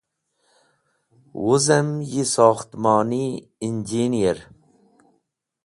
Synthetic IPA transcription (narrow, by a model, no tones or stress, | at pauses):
wuzɐmjisɑːxt̪mɑːniind͡ʒinijeɾ